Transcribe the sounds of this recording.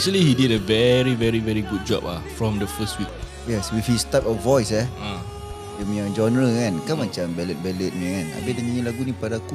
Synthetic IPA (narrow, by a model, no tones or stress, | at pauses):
ɛk̚t͡ʃuəlihididəvɛɹivɛɹivɛɹiɡud̚d͡ʒɔ̰pa̰fɹɔ̃mdəfəstwik̚ | jɛswifhistap̚ɔvɔjsɛa | jɛmĩãd͡ʒɔ̃nɹəkãnkamat͡ʃãmbɛlət̚bɛlət̚niŋãna̰bidəŋiilaɡunipadaku